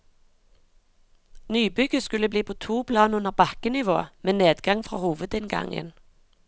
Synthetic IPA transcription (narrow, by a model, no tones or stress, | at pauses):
nyːbʏɡəskʉləbliːpʰoːt̪ʰuːpʰlɑːnʉnəʁbɑkənɪʋo̰ːmeːneːd̪ɡɑŋfʁɑ̰ːhuːʋəd̪ɪnɡɑ̰ŋə̰n